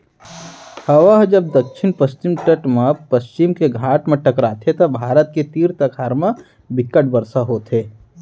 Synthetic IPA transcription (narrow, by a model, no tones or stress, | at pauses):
hɐʋaɦd͡ʒɐb̚d̪ɐkʃʰɪnpəst͡ʃɪmʈəʈmãpəst͡ʃɪmkeɡʱaːʈmẽʈɐkɾaːt̪ʰet̪ɐbʱaːɾət̪̚ket̪iːɾt̪ɐkʰaːɾmã | bɪkːəʈbəɾsaɦoːt̪ʰeː